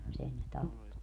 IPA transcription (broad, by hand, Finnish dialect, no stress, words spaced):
mut sen ne tɑpːo